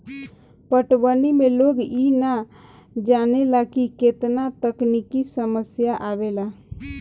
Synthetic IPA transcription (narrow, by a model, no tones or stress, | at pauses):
pəʈwənimẽloːɡina | d͡ʒaːnelakiket̪nat̪əknikisəməsjaʔabela